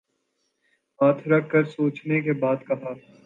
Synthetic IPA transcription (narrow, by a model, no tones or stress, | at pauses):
ɦaːt̪ʰɾɐkʰːəɾsoːt͡ʃnekebaːd̪kɐɦaːt̪